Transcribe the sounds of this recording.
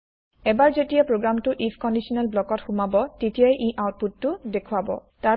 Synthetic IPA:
ɛbaɹzetijapɹoɡɹamtʊʔipʰkɔndisɔnalblɔkɔtxumabɔtetijajʔiʔawt̚putːʊdekʰʊabɔ̰ | ta

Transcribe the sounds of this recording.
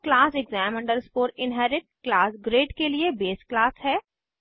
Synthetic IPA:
klaːsɛɡzɛːmɐ̃ɳɖəɾspoːɾɪnɦɛːɾɪʈ̚klaːsɡɾeːɖkeliebeːsklaːsɦɛː

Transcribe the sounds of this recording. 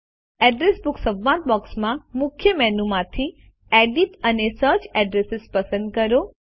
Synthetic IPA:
ɛɖɾesbʊksəbʋːãt̪̚bɔksmãmʊkʰjəmɛnumãt̪ʰi | ɛɖiʈənesəɾt͡ʃɛɖɾesɪspəsə̃nd̪̚kəɾo

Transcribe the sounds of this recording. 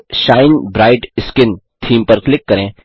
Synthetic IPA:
ʃaːɪnbɾaːɪʈɪskɪnt̪ʰiːmpɐɾklɪkːɐɾẽː

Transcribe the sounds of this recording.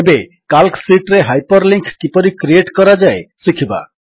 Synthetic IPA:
ebe | kalksiʈɾeɦajpəɾlĩŋkʰkipəɾikɾieʈkʌɾad͡ʒajsikʰiba̰

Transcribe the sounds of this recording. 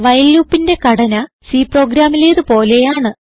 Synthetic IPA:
ʋɐjlːuːpːinde̞kɐɽɐnɐ | siːpro̞ːɡɾaːmileːðɨpo̞ːle̞jaːɳɨ

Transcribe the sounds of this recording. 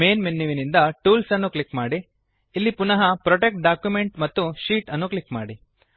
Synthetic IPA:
meːnminːiʋinind̪ɐʈuːlsɐnːuklikmaːɽiː | lːipunɐɦɐpɾoʈek̚ʈ̚ɖaːkjumeɳʈmɐt̪ːuʃiːʈɐnːuklikmaːɽi

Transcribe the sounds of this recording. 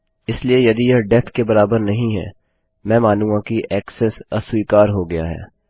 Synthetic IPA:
ɪsliejɐd̪ijɐɖɛp̪ʰkebɐɾaːbəɾnɐɦĩɦɛ̰ː | mɛ̃ːmaːnũŋɡakiʔɛːksɛsɐswiːkaːɾɦoɡɐja̰ɦɛ̰ː

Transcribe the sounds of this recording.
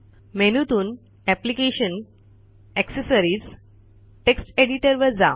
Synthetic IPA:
menut̪uːn | ɛplikeɕən | ɛksesəɾiːs | ʈeksʈeɽiʈəɾʋəɾd͡za

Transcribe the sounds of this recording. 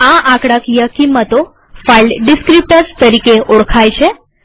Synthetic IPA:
ãʔãkɽakijəkimːət̪o | failɖɖiskɾip̚ʈəɾst̪əɾikeoɽkʰajt͡ʃʰe

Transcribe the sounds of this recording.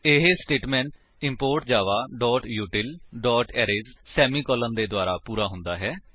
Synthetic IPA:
ɪɦsʈeːʈmɛ̃ːɳʈ | ɪmpoːɾʈ̚d͡ʒaːʋaːɖɔːʈjuːʈɪlɖɔːʈɛːɾeːzsɛːmiːkɔːlənd̪eːd̪waːɾaːpuːɾaːɦʊnd̪aːɦɛː

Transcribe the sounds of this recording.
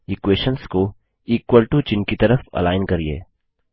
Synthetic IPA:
ikweːʃənsko | iːkwəlʈut͡ʃɪnkit̪ɐɾəfɐ̰laːɪnkɐɾiḛː

